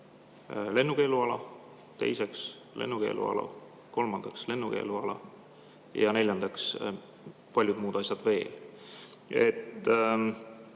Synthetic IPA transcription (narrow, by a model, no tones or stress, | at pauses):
le̞nːuke̞ːluɑlɑ | t̪e̞̰jse̞ks | le̞̰nːuke̞̰ːlʔṵɑ̰lɑ̰ | ko̞lmɑnd̪̥ɑksle̞nːuke̞̰ːluɑlɑ̰ | jɑne̞lʲjɑnd̪̥ɑks | pɑlʲjud̪muːd̪̥ɑsʲjɑd̪̥ve̞ːl | e̞̰t̪ːˑ